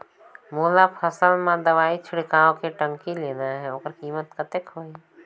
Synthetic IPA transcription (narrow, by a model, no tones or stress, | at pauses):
moːlapʰəsəlmãd̪əʋaːit͡ʃʰɪɽkaːõkeʈə̃ŋkileːnaɦɛoːkəɾkiːmət̪kət̪ekɦoːi